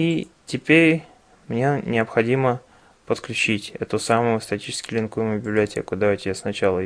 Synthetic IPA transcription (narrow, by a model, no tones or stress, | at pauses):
itʲɪpʲeɾʲ | mnʲenʲɪəpxɐdʲimə | pət̪klʲʉt͡ɕitʲɛt̪ʊsamʊjʊst̪ɐtʲit͡ɕɪ̥skʲɪlʲɪnkujmʲɪbʲɪblʲɪɐtʲḛkʊd̪aʊtʲɪasnɐt͡ɕalˠə